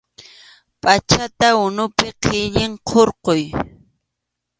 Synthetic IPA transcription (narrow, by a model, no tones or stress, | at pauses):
pʼat͡ʃat̪aʊnʊpɪqʰɪʎɪɴqʰoɾqoj